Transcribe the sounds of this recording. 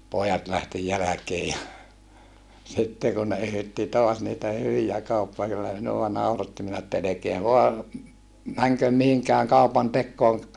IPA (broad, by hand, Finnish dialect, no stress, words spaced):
poːjɑt læhti jælækeː jɑ sitːe kun ne yhytːi toɑs niːtæ hyʋijæ kɑupːɑ kylːæ minuwɑ nɑurɑtːi minæ etːæ elekeæ ʋoɑ mæŋkøm mihiŋkæːŋ kɑupɑntekːoːŋ